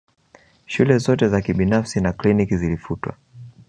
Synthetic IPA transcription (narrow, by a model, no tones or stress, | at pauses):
ʃulɛzɔtɛzakiɓinafsinaklinikizilifutwa̰